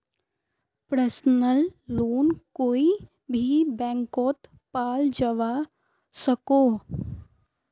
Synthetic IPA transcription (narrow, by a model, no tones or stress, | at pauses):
pɾəsnəlːoːnkoːi | bʱibɛ̃ːŋkɔːt̪ | paːld͡ʒəʋa | səkoː